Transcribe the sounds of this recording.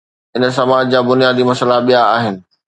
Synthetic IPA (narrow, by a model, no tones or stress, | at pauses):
ɪnsɐmaːd͡ʑd͡ʑaːbʊnijaːd̪imɐsəlaɓijaaːɦɪnɪ̆